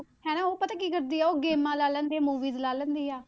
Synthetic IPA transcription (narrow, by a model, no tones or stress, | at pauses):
hɛːnãːoːpət̪aːkiːkəɾd̪iːɛːoːɡeːmãːlaːlənd̪eːmuːʋiːzlaːlənd̪iːaː